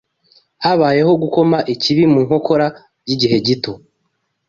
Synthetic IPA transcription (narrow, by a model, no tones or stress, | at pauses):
haβaːje̞ho̞ɡuko̞maʔiciβimuŋ̥ho̞ko̞ɾa | ɟiɟihe̞ɟito